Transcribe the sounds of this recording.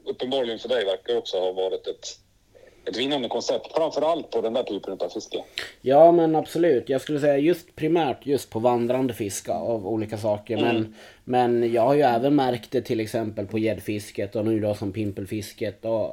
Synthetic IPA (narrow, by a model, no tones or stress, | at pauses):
ɵpːənbɑːɾɭɪɡənfœɖɛjvæɾkaɾɔksɔhavɑːɾɪt̪ɛt̪ | ɛt̪vɪnːand̪əkʰɔnsɛp̚t̪fɾamfœɾalt̪̚pʰɔd̪ɛnd̪æːʈʰyːpənɵt̪ɑvfɪskəjɑːmɛnabsɔlʉ̟ːt̪jɑːɡskɵlːəs̬ɛjːajɵst̪pʰɾɪmæːʈʰjɵst̪̚pʰɔvand̪ɾand̪əfɪska̰avuːliːkasɑːkəɾmɛn | mɛnjɑːɡhaɾjɵɛːvənmæɾkt̪̚d̪ɛt̪ʰɪlːɛksɛmpəlpʰɔjɛd̪ːfɪskət̪ɔnʉːd̪ɔsɔmpʰɪmpəlfɪskət̪ɔ